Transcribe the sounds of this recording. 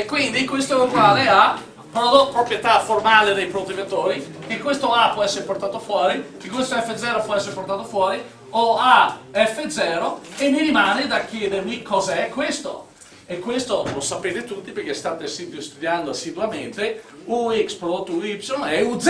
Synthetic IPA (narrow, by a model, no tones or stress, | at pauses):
kːwind̪ikwest̪oɛuɡwaːlea | pɾod̪ot̪ːpɾopɾjet̪aformaːled̪ejpɾod̪ot̪ːivat̪oːɾikekːwest̪oapwɔɛsːeɾeport̪aːt̪ofwɔːɾikekːwest̪oɛfːed̪zɛːɾopwɔɛsːeɾeport̪aːt̪ofwɔːɾi | oaɛfːed̪zɛːɾoemːiɾimaːned̪akjɛːd̪ermikɔːzɛkːwest̪o̰ | ekːwest̪olɔsapeːt̪et̪ut̪ːiperk̟est̪aːt̪esid̪ost̪ud̪jand̪oasːid̪uament̪e | uikspɾod̪ot̪ːuipsonɛud̪z